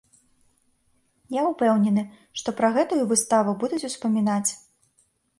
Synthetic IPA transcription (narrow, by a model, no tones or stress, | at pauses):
jaupɛwnʲɛnɨ | ʂt̪ɔpɾɐɣɛt̪ujuvɨst̪avɨbud̪ut͡sʲuspɐmʲinat͡sʲ